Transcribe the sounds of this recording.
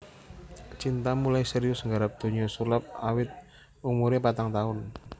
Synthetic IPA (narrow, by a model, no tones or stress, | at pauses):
t͡ʃint̪amulajsəɾiʊsŋɡaɾap̚d̪̥o̤ɲɔsulap̚awɪt̪̚ | umuɾepat̪aŋt̪aʊn